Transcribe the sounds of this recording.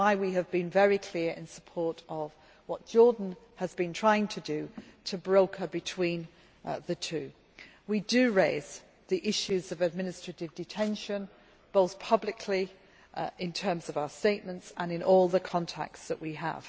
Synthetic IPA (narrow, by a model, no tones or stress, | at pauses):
waɪwiɨvbɨ̃nvɛɹikʰl̥ɪəɹɪ̰̃nsəpʰɔɹtəv | wɒt̚d̥ʒ̥ɔɹdⁿn̩ | əzbɨ̃ntʰɹ̥aɪɪ̃ŋtʰɨdɨtʰəbɹoʊkʰəbɨtʰw̥ĩn | ðɨtʰʉː | widɨɹeɪz̥ | ðiʔɪʃʉzʌvɨd̚mɪ̃nɨstɹ̥ətɪvdɨtʰɛ̃nʃə̃n | b̥oʊθpʰʌblɪkʰli | ɪ̃ntʰɜ˞mzʌvaʊəsteɪʔ̚mə̃ntsə̃nɨ̃nʔɔlˠðəkʰɒ̃ntʰæ̰k̚tsðəʔwiə̰v̥